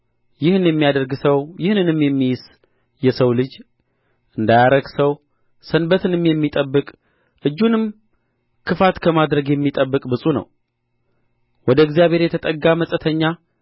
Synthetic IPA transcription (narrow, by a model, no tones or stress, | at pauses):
jɪhɨnjɛmːijad̪əɾɡsəwjɪhnɨnɨmjɛmːijɪs | jɛsəwlɨd͡ʒ | ʔɨnd̪ajaɾəɡsəw | sənbət̪ɨnɨmjɛmːit̪ʼəbːɨkʼ | ʔɨd͡ʒːunɨm | kʰɨfat̪kʰəmad̪ɾəɡjɛmːit̪ʼəbːɨkʼbɨsʼunə̰w | wɔd̪əɡzijaβʱheɾjɛt̪ʰət̪ʼəɡːaməsʼət̪ʰəɲːa